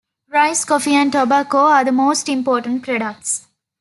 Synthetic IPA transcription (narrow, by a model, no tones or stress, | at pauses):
ɾaɪskɔfiãnʈɔbakoaːd̪əmoːsʈɪ̃mpɔːʈə̃ɳʈpɾɛɖɐk̚ʈs